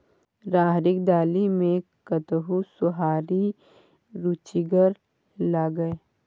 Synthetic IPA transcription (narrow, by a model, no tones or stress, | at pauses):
ɾaːɦɾɪkd̪aːlimẽkət̪ɦusʊɦaːɾi | ɾuːt͡ʃiɡəɾ | laːɡəe